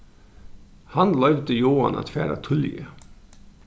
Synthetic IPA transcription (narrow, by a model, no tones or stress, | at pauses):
hɑnlœʏʋd̪əjoːɑ̰nʔɑ̰t̪fæːɾa̰t̪ʰʊljə̰